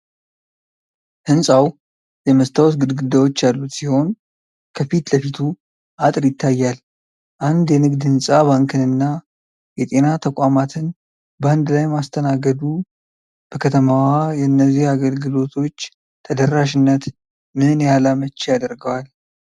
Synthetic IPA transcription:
hɨnsʼaw | jɛməst̪ʰawɔsɡɨd̪ɡɨd̪awo̞t͡ʃːjalːut̪siho̞n | kʰəfit̪ləfit̪ʰu | ʔat̪ʼɾjɪt̪ʰːajːal | ʔand̪jɛnɨɡd̪hɨnsʼaβaŋkʰɨnɨnːa | jɛt̪ʼe̞nat̪ʰəkʷʼamat̪ʰɨn | bəand̪lajmast̪ʰənaɡəd̪u | b̥əkʰət̪ʰəmawajɛnːəzihaɡəlɡɨlo̞t̪ʰo̞t͡ʃː | t̪ʰəd̪ərːaʃɪnːət̪ | mɨnjalamət͡ʃːejad̪əɾɡəwal

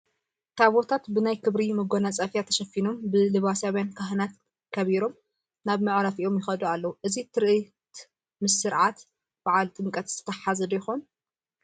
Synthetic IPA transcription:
t̪ʰaβot̪ʰat̪bɨnajkʰɨβɾimɨɡonat͡sʼɐfjat̪ʰɐʃɐfinombɨlɨβasawjankʰaɦɨnat̪ | kʰɐβiɾo̞m | naβmɨʕɾafiʔo̞mjɪxɐd̪ualːɐwuʔɨzit̪ʰɨɾʔɨ | t̪ | mɨsɨɾʕat̪ | b̥aʕalt̪ʼɨŋkʼɐt̪ɨt̪ʰɐ̥t̪ʰɐħazɐd̪jɪxon

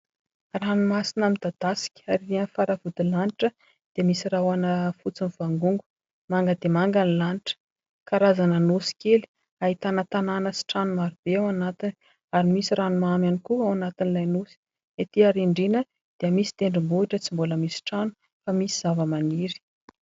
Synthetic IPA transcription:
ranumasinamid̪̥ad̪asi̥kʲi̥aɾirianfaɾavud̪ilaniʈ͡ʂə | d̪̥eəmisirawanəfut͡siniv̥aŋɡuŋɡu̥ | maŋɡəd̪emaŋɡanilaniʈ͡ʂə̥ | kaɾazanənusi̥keli̥ | ait̪anət̪ananəsi̥ʈ͡ʂanumaɾib̥eawanat̪ini | aɾimisiɾanumamjanikuawanat̪inilajnusi̥ | et̪iaɾiɳɖ͡ʐinə | d̪̥eəmisi̥t̪eɳɖ͡ʐimbuiʈ͡ʂət͡simbuləmisi̥ʈ͡ʂanu̥ | famisiz̥avəmaniɾi̥

